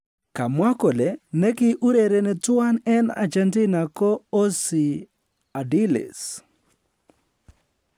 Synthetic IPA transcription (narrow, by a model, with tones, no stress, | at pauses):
ka˨mwa˦kɔ˨le˨nɛ˦kɪ˦ʔu˦ɾe˨ɾe˨nɛ˨twa˦nɛ˦na̰˨d͡ʒɛntɪ˦na˨kɔ˦o˦sɪ˨ | a˨dɪlɪ̰s